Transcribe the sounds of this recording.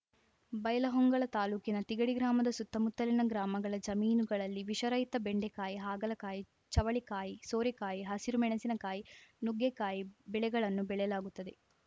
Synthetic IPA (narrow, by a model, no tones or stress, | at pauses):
bɐjɐlɐɦɔŋɡɐɭɐt̪aːluːkinɐt̪iɡɐɽiɡɾaːmɐd̪ɐsut̪ːɐmut̪ːɐlinɐɡɾaːmɐɡɐɭɐd͡ʒɐmiːnuɡɐɭɐlːiʋiʃɐɾɐjt̪ːɐbeɳɖekaːjiɦaːɡɐlɐkaːji | t͡ʃɐʋɐɭikaːjisoːɾɛkaːjiɦɐsiɾumɛɳɐsinɐkaːjinuɡekaːjibɛɭɛɡɐɭɐnːubɛɭɛjɐlaːɡut̪ːɐd̪e